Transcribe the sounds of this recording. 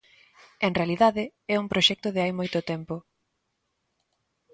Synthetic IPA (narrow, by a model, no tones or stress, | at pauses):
eŋrealiðaðɪɛuŋpɾoʃɛk̚t̪ʊðɪajmojt̪ʊt̪ɛmpʊ